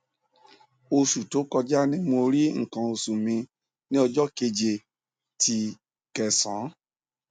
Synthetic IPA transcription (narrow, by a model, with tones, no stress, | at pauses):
o˧ʃu˨to˨˦kɔ˧d͡ʒa˦nĩ˦mo˧ɾi˦ŋ̩˨kã˧o˧su˨mĩ˧ | nĩ˦ɔ˧d͡ʒɔ˦ke˧d͡ʒe˧˨ | tʰi˧ | kɛ˨sã˨˦